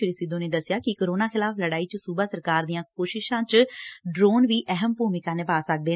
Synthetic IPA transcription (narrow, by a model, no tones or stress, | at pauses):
ɪɾsɪd̪õːneːd̪əsɪjaːkɪkəɾoːnaːxʰɪlaːpʰləɽaːiːt͡ʃsuːbaːsəɾkaːɾd̪ijãːkoːʃɪʃãːt͡ʃɖɾoːnʋiːʔɛɦəmpuːmɪkãːneːpaːsək̚d̪eː